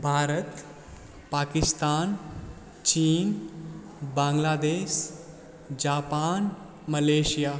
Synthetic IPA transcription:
bʱaːɾət̪ | paːkist̪aːn | t͡ɕiːn | bãŋɡlaːd̪eːʃ | d͡ʑaːpaːn | məleɕijaː

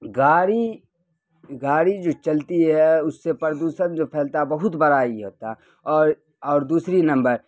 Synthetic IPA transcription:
ɡaːɾi | ɡaːɾid͡ʒoːt͡ʃɐlt̪iɦɛʊsːepəɾd̪uːsə̃nd͡ʒopʰɛːlt̪abɐɦʊt̪bɐɾaːiɦoːt̪a | ɔːɾ | ɔːɾd̪uːsɾinɐ̃mbəɾ

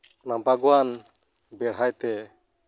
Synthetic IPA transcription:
nãbʱaɡwan | bɛɽɦajt̪ɛ

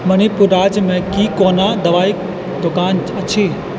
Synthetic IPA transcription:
mɐnipʊɾaːd͡ʑmẽkiːkoːnad̪ɐʋaːik̚ | d̪ʊkaːnɐt͡ɕʰeː

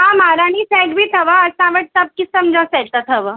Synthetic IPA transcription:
ɦãmaɾaɽ̃iːsɛɡbʱiːt̪ʰəʋəəsãʋəʈ̚t̪əp̚kisəmd͡zasɛt̪at̪ʰəʋə

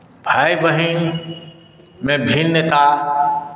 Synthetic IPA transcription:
bʱaːjʋɐɦin | mẽbʱiːnːet̪a

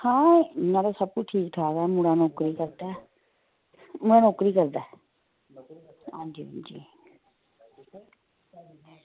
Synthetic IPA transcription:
hãːãːɾasəb̚kʊt͡ʃʈʰiːkʈʰaːɡaːmuɽaːnɔːkɾiːkəɾd̪aː | muɽaːnoːkɾiːkəɾd̪aː | ɦãːd͡ʒĩːd͡ʒiː

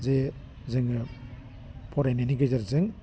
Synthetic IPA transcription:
ze | zɯŋɯ | pʰɔɾeneniɡɯzaɾzɯŋ

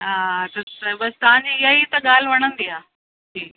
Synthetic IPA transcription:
ɦaːt̪ɐɐbɐst̪ɐɦãɲd͡ʑiɪɦait̪ɐɠaːl̤ʋɐɽ̃ə̃nd̪iaː | ʈʰiːk

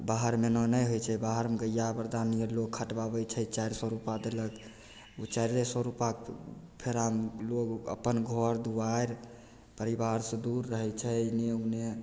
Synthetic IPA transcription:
baɦəɾmenɔnəjɦojt͡ʃʰɛbaɦəɾmeɡəjːabəɾd̪anijəlokʰːəʈbaβɛt͡ʃʰɛt͡ʃajɾsɔɾupad̪elək | ut͡ʃajɾɾesɔɾupak | pʰeɾamlokə̰pːənɡʱɔɾd̪ubajɾ | pəɾibaɾsə̃d̪uɾːəɦɛt͡ʃʰɛnijoɡne

